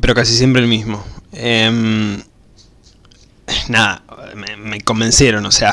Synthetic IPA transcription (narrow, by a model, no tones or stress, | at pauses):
peɾokas̬is̬jempɾelmizmo̞em | naða̰meme̞ko̞mbe̞nsjeɾo̞nosea